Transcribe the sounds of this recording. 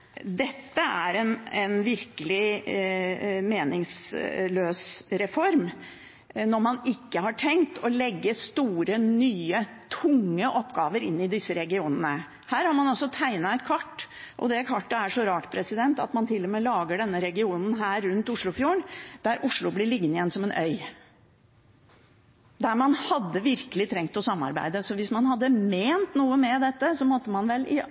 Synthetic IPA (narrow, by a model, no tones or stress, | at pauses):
d̪ɛt̪ːəæɾɛnɛnʋɪɾkəlɪ | meːnɪŋsløːsɾɛfɔɾm | nɔɾmɑnɪkːəhɑʈʰɛŋkt̪ʰɔlɛɡːəst̪uːɾənyːət̪ʰʊŋːəʔɔpːɡɑːʋəɾɪ̰nːɪd̪ɪsːəɾɛɡɪuːnənə | hæːɾhɑɾmɑnɑlsɔt̪ʰæɪnɑɛt̪kʰʋɑʈːʔɔ̰d̪ɛkʰɑʈːəæʂɔɾɑːʈpʰɾɛsɪd̪ɛnt̪ɑ̰t̪mɑnt̪ʰɪlːɔmeːlɑːɡəɖɛnːəɾɛɡɪuːnn̩ɦæːɾːʉnt̪ʊʂɭʊfjuːɳd̪̥æɾʔʊʂɭʊblɪɭɪɡːənɪjɛnːsɔmɛnʔœʏ | d̪æɾmɑnhɑd̪ːəʋɪɾkəlɪt̪ʰɾɛŋt̪ɔsɑmːɑ̰ɾbæ̰ɪd̪əsɔʋɪsmɑnhɑd̪ːəmeːnt̪nuːəmɛd̪ɛt̪ːəsɔmɔt̪ːəmɑnʋɛlɪ